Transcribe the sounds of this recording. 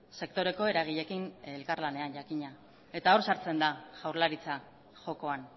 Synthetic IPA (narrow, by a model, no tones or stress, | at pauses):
se̞k̚t̪o̞ɾe̞ko̞e̞ɾaɣ̞iʎe̞kinelkaɾlane̞anʝakiɲa | e̞t̪ao̞ɾsaɾt͡se̞nd̪aɣawɾlaɾit͡sa | ʝo̞ko̞an